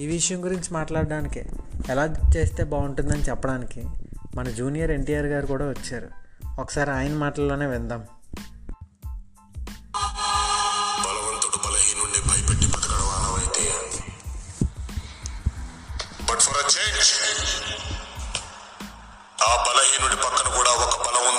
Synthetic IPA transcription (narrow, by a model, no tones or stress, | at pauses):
iːʋiʂɐjɐŋɡuɾiɲt͡ʃimaːʈlaːɽɖaːnikiɛlaːd͡ʒt͡ʃe̞ːst̪e̞ːbaːuɳʈund̪ɐnit͡ʃɛpːɐɽaːnikimɐnɐd͡ʒuːnijɐɾe̞ɳʈijaːɾɡaːɾikuːɽaːʋɐt͡ʃːaːɾṵɔkɐ̥saːɾiaːjɐnɐmaːʈɐlːoːne̞ːʋind̪aːm | bɐlɐʋɐnt̪uɽubɐlɐɦiːnuɳɖibʱɐjɐpeʈːipɐt̪ɐkɐːɽɐʋaːnɐʋɐjit̪ei | bɐʈpʰɐɾɐt͡ʃeːnd͡ʒ | aːbɐlɐɦiːnuɳɖipɐkːɐnɐkuːɽaːɔkɐbɐlɐmun